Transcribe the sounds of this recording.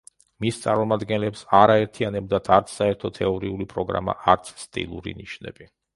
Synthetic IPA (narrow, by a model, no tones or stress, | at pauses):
mist̪sʼa̰ɾmɔmad̪ɡɛnlɛpsaɾaɛɾt̪ʰianɛbd̪at̪ʰaɾt̪sʰsaɛɾt̪ʰɔt̪ʰɛɔɾiulipʼɾɔɡɾa̰ma̰ʔaɾt̪sʰst̪ʼḭlˠuɾḭniʃnɛ̰b̥i